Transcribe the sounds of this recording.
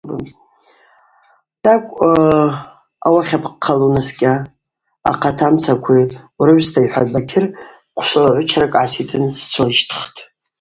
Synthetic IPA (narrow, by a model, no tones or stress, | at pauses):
ba̰ | d̥akʷʼ | awaχʲapqʰːalunaskʲʼa̰ː | qʰatʰamt͡sʰakʷʰiwrɨɥstʰaiħʷabakʲʰɪr | qʷʰʂʷolaʕʷʊt͡ʃʰaɾakʼʕasitʰɨnst͡ʃʷʰolʃtʰχtʼ